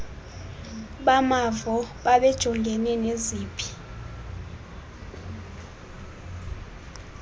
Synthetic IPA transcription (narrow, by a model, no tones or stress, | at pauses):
ɓamavɔɓaɓɛd̥ʒ̥ʱɔŋɡʱɛnɛneziːpʰi̥